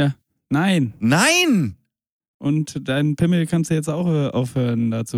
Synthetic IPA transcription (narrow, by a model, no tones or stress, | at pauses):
jaː | naɪnnaɪn | ʔʊntd̥aɪnpʰɪməkʰanstd̥ujɛt͡staʊxʔɛːʔaʊfhøːʁəndat͡suː